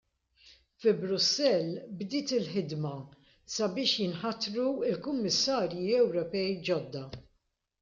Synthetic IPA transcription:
fɪbɾʊsːɛlbd̪ɪːt̪ɪlħɪd̪mɐ | sɐbɪːʃjɪnħɐt̪ɾuɪlkʊmːɪsːɐːɾjiɛwɾɔpɛjd͡ʒɔd̪ːɐ

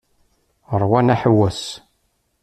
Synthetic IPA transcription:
əɾˤwænæħəwːæs

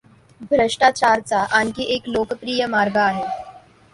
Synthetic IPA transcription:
bʱɾəʂʈat͡ɕaɾt͡saʔankiʔeklokəpɾiːjəmaɾɡaːɦe

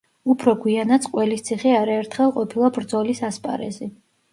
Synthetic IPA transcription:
upʰɾɔɡwianat̪sʰʼqʼwɛlist̪sʰiχɛaɾaɛɾt̪ʰχɛlˠqʼɔpʰilˠabɾd̪zɔlisaspʼa̰ɾɛ̰zɛ

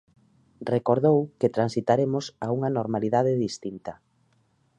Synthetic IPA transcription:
rekoɾðowket̪ɾansit̪aɾemosauŋɐnoɾmaliðaðeðist̪int̪ɐ

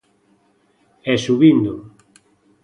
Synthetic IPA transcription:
ɛsuβind̪o

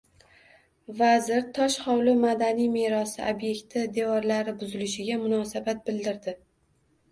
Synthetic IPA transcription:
vazɪɾt̪ʰɒʃhɒwlɪmad̪anijme̞ɾɒsɪʔobje̞kʲt̪ʰɪd̪e̞vɒɾlaɾɪbʊzɪlɪʃɪɡʲamʊnɒsabat̪̚bɪld̪ɪɾd̪ɪ

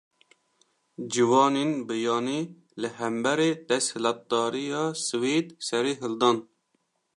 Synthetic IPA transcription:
d͡ʒɪwɑːneːnbɨjɑːniː | lɨɦæmbɛɾeːd̪ɛshɨlɑt̪̚d̪ɑːɾijɑːsɨweːd̪sɛɾiːɦɨld̪ɑːn

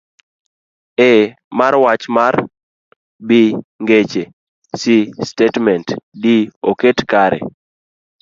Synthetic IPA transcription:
e | maɾwat͡ʃmar | biŋɡet͡ʃe | sistetmɛntdioketkaɾɛ̰

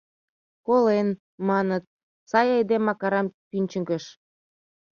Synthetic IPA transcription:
kolen | mɑnət̪̚ | sɑjɑjd̪emɑkɑɾɑmpynʲt͡ɕə̆ŋɡə̆ʃ

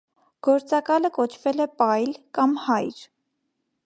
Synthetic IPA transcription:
ɡ̥ɔɾt͡sɑkɑləkɔt͡ʃʰvɛlɛpɑjlkɑmhɑjɾ

